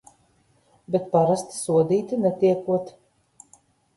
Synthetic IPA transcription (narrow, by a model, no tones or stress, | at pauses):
bʲet̪̚paɾast̪i̥suɔd̪iːt̪ʲinɛt̪iɛkuɔt̪